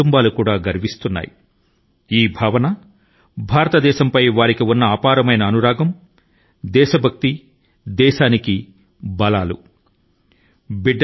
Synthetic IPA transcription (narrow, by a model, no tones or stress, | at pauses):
umbaːlukuːɽaːɡɐɾʋist̪unːa̰ːjḭ | iːbʱaːʋɐnɐ | bʱaːɾɐt̪ɐd̪ɛːʃɐmpɐjʋaːɾikiunːɐaːpaːɾɐmɐjnɐːnuɾaːɡɐm | d̪ɛːʃɐbʱɐk̚t̪i | d̪ɛːʃaːniki | bɐlaːlṵ | biɖː